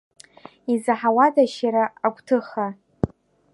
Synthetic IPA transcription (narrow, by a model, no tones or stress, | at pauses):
izaħawadaʃaɾaakʷtʰɨχa